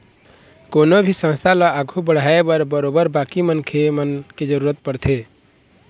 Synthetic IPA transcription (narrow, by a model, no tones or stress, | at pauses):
konobʱisə̃nst̪ʰaləaɡʱubəɽ̤aebəɾbəɾobəɾbakimənkʰemənked͡ʒəɾuɾət̪̚pəɾt̪ʰe